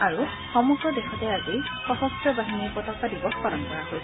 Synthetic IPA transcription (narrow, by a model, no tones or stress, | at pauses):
aɹu | xɔmuɡɹɔdexɔtɛazixɔsɔstɹɔbaɦinipɔtɔkːadibɔxpɔlɔnkɔɹaɦoj